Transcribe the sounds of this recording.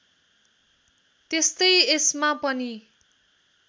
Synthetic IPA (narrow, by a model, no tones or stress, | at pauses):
t̪est̪ʌjesmapʌni